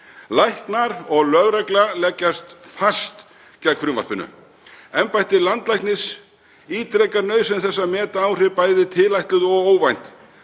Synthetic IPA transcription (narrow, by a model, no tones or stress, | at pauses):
lajht̪naɾɔɣlœɣɾɛklalɛcːast̪fast̪ | cɛkfɾʏmva̰r̥pɪnːʏ̰ | ɛmpajht̪ɪlant̪lajhknɪs | iːt̪ɾɛkaɾnœɥsɛmθɛsːamɛːt̪aawr̥ɪpaːjðɪt̪ʰɪlajht̪lʏðɔɣoːwvajn̥t̪